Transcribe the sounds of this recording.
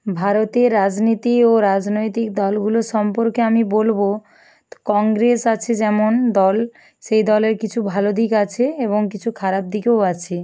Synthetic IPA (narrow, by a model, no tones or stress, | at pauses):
bʱaɾot̪eɾad͡ʑnit̪ioɾad͡ʑnojt̪ik̚d̪ɔlɡuloɾʃɔmpoɾkeamibolbo | kɔŋɡɾesat͡ɕʰed͡ʑɛmond̪ɔl | ʃejd̪ɔleɾkit͡ɕʰubʱalod̪ʱikat͡ɕʰeeβoŋkit͡ɕʰukʰaɾab̚d̪ikewat͡ɕʰe